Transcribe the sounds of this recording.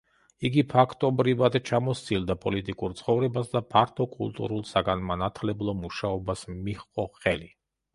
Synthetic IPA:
iɡipʰakʰt̪ʼɔbɾivad̪t͡ʃʰamɔst̪sʼild̪apʼɔlit̪ʼikʼuɾt̪sʰχɔvɾɛbasd̪apʰaɾt̪ʰɔkʼṵlˠt̪ʼṵɾulˠsaɡanmanat̪ʰlɛblˠɔmuʃaɔbasmiχqʼɔχɛli

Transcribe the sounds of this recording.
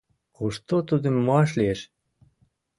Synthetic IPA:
uʃt̪ot̪ud̪ə̆mːoɑʃlieʃ

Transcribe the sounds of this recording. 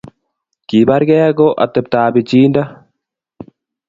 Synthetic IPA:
kiːbaɾɡɛaɡoʔa̰t̪ːɛp̚t̪aːbit͡ʃiːnda

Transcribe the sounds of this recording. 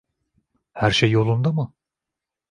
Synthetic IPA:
hæɾʃejːo̞lˠund̪amɯ

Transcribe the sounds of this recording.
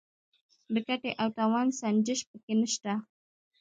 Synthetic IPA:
d̪əkaʈeʔawt̪awansand͡ʒəʃpəkenəʃt̪a

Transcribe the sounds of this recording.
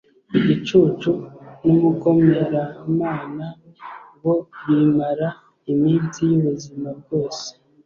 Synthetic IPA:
iɟit͡ʃut͡ʃunomuko̞me̞ɾamaːna | wo̞βimaɾa | imiːnsijuβuzimab̚ɡo̞ːse̥

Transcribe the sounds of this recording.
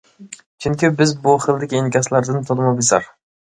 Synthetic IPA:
t͡ʃʰʊŋkʲɪbɪzbʊχɨlˠd̪ɪkʲenkʲaslaɾd̪ɪnt̪ʰolˠmabesa̰ɾ

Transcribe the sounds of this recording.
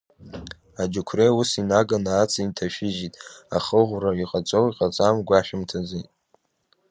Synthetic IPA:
ad͡ʒukʷʰreusinaɡanaːt͡sʰintʰaʃᶣɪʒitʼa̰χəʁʷraiqʼat͡sʷʼowiqʼat͡sʼamɡʷaʃᶣɪmtʰazijtʼ

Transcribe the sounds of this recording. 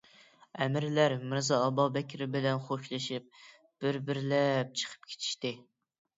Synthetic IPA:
ɛmɪɾlæɾmɪɾzɑːbɑbɛkʲʰɪɾɪbɪlɛnχoʃlˠɨʃip̚ | b̥ɪɾbɪɾlɛp̚t͡ʃʰə̥qʰə̥p̚kʲʰe̥t͡ʃ̪ʰi̥ʃt̪ɪ

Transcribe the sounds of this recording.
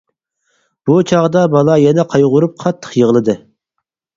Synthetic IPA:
b̥ut͡ʃʰɑʁd̪ɑbɑlˠɑjɛnɛqʰɑjʁʊɾup̚qʰɑt̪ʰːə̥qjəʁlˠɨd̪ɨ

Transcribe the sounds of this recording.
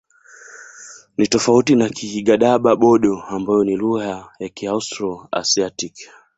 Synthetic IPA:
nitɔfautinakʰihiɡaɗaɓaɓɔɗɔambajɔniɾuhajakiaustɾɔa̰siatik

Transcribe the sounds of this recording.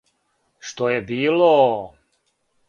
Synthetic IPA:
ʃt̪ojebiːlo

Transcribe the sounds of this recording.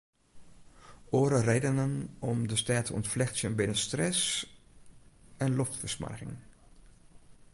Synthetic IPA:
ʔoːɾərejdənənɔmdəstaːtʰəɔ̰ntflɛxtsjənbɪnənstrɛs | ɛnlɔftfəsma̰rɣɪ̰ŋ

